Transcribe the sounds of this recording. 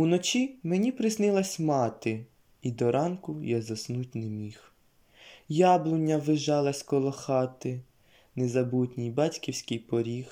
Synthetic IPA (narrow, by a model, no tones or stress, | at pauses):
unɔt͡ʃimenʲipɾɪsnɪlˠɐsʲmɑt̪ɪ | id̪ɔɾɑnkʊjazɐsnut̚ʲnemʲix | jɑblˠʊnʲːɐʋɪʒɑlˠɐsʲkɔlˠɔxɑt̪ɪ | nezɐbutʲnʲijbɑtʲkʲiwsʲkɪjpɔɾʲix